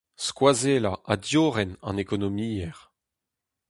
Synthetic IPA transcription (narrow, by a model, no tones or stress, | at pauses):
skwazelaʔadjoːʁɛnɑ̰̃nekɔnɔmiːɛʁ